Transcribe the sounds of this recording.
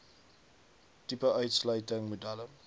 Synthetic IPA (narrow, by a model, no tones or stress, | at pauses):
tipəʔœɥtslœɥtəŋmudælə